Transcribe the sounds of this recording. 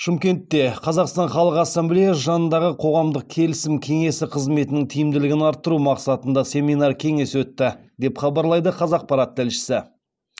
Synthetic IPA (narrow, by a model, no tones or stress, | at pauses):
ʃɪmkʲe̞nt̪ːe̞qʰɑzɑqst̪ɑnχɑlˠəqɑsːɑmblejɑʒɑnənd̪ɑʁəqʰo̞ʁɑmd̪əq̚kʲʰe̞lɪsɪmkʲʰe̞ŋe̞sɪqʰəzme̞t̪ɪnɪŋt̪ʰijɪmd̪ɪlɪɡʲɪnɑɾt̪ːəɾumɑqsɑt̪ənd̪ɑse̞minɑrkʲʰe̞ŋe̞swɵt̪ːɪd̪e̞pχɑbɑɾlˠɑjd̪əqʰɑzɑq̚pɑɾɑt̪ːɪlʃɪ̥sɪ